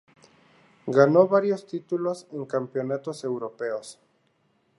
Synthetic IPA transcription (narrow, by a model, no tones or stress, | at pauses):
ɡanoβaɾjo̞st̪it̪ulo̞seŋkampjo̞nat̪osewɾo̞peos